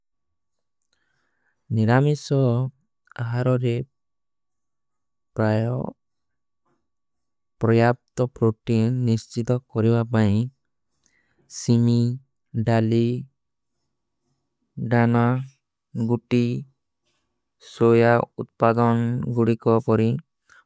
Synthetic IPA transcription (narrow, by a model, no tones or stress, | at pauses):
niɾamisɔ | aɦaɾɔɾe | pɾajɔ | pɾɔjap̚t̪ɔpɾoʈinːist͡ʃit̪ɔkɔɾibapaĩ | simi | ɖali | ɖana | ɡuʈi | sojaut̪̚pad̪ɔnɡuɽikɔpɔɾi